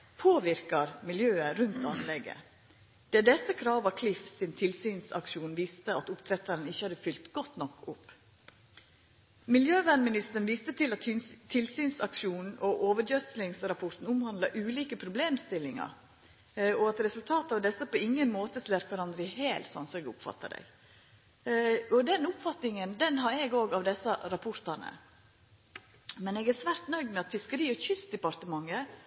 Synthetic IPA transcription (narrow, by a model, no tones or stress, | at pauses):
pʰoːʋɪɾkɑɾmɪljøːəɾʉnt̪ɑnlɛɡːə̰ | d̪̥ɛːd̪ɛsːəkʰɾɑːʋɑkʰlɪfsɪnt̪ʰɪlsyːnsɑ̰kʂuːnʋiːst̪əɑt̪ʊpt̪ʰɾɛt̪ɑɾənɪçːəhɑd̪əfʏlt̪ɡ̥ɔt̪nɔkːʊpː | mɪljøːʋænmɪnɪst̪əɾɳ̩nʋiːst̪ət̪ʰɪlɑt̪t̪ʰːɪlsyːnsɑkʂuːnn̩ʔɔʔoːʋəɖjœt̪slɪŋsɾɑpʰɔt̪n̩ʊmhɑnd̪lɑʔʉːliːkəpʰɾʊbleːmst̪ɪlːɪŋɑ̰ɾ | ɔɑt̪ɾɛsʉlt̪ʰɑːt̪ɑʋd̪ɛsːəpʰɔɪŋːənmoːt̪əsleːɾkʰʋɑɾɑnd̪ɾəɪheːlt̪sɔ̰nsɔɛɡʊpfɑ̰t̪ːɑ̰d̪ɛ̰ɪɡ | ɔd̪ɛnʊpfɑt̪nɪŋənd̪ɛnɦɑɾɛɡoːɡɑʋd̪ɛsːɑɾɑpʰʊɾt̪ɑnə̰ | mɛnɛːɡæsʋæːɾt̪nœʏɡmɛɑt̪fɪskəɾiːɔçʏsd̪ɛpɑɾt̪əmɑŋːə